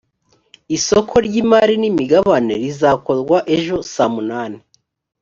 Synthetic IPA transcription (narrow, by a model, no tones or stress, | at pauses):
isokʰo̞ɾɟimaɾinimiɡaβanḛɾizaːko̞ɾɡwaʔe̞ʒo̞samunaːni